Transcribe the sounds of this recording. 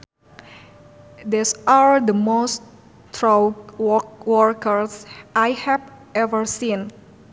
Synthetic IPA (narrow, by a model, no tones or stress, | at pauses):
d̪isald̪əmos | t̪ʰɹawɔwɔɹkəɹsʔajhɛv | ɛvəɹsĩn